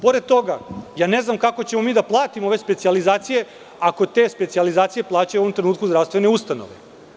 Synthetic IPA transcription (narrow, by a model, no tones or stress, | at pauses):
po̞ɾed̪̚t̪o̞ɡajaːne̞znamkako̞t͡ɕe̞momiːd̪aplˠaːt̪imooʋe̞spe̞t̪sializaːt̪sije̞ | ako̞t̪e̞spe̞t̪sializaːt̪sije̞plˠaːt͡ɕajuʋomt̪ɾe̞nuːt̪kuzd̪ɾafst̪ʋe̞neust̪ano̰ʋḛ